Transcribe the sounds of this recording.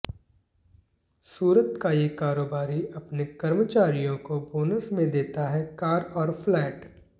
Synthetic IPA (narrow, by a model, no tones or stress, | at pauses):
suːɾət̪kajekaːɾoːbaːɾiɐpnekɐɾmət͡ʃaːɾijõkoboːnəsmẽd̪eːt̪aɦɛkaːɾɔːɾflɛːʈ